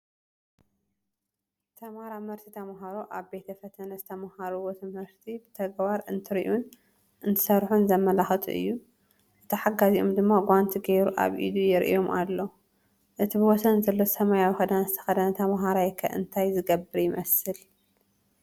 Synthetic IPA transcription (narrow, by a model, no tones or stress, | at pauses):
t̪ʰɐmhaɾamhɨɾt̪ʰit̪ʰɐmaɦaɾoʔaβbe̞t̪ʰɐfɐt̪ʰɐnɐzɨt̪ʰɐmahaɾuwot̪ʰɨmhɨɾt̪ʰibɨt̪ʰɐɡbaɾɨnt̪ʰɨɾiʔun | ʔɨnt̪ʰɨ̥sɐɾħunzɐmːɐlaxɨt̪ʰṵʔɨ̰jːu | ʔɨt̪ʰɨħaɡaziʔomd̪ɨmːaɡʷant̪ʰiɡeɾuʔa̰βʔḭd̪ujɪɾʔḭjo̞mʔa̰lːo | ʔɨt̪ʰibɨwɔsɐnzɐlːosɐmajawixɐd̪anɐzɨt̪ʰɐ̥xɐd̪ɐnɐt̪ʰɐmaɦaɾajkʰɐ̰ʔɨ̰nt̪ʰajzɨɡɐbːɨɾjɪmʔɐsɨl